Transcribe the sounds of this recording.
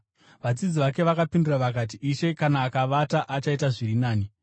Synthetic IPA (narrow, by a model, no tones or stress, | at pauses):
ʋad͡zid͡ziʋak̬e̞ʋakapinduraʋak̬at̬iʔiʃe̞kanaːkaʋataʔat͡ʃaitaʐiɾinaːni